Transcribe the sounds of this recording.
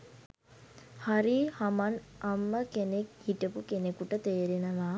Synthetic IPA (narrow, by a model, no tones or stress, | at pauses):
haɾihamanamːəkenekhiʈəpukenekuʈət̪eːɾenəʋaː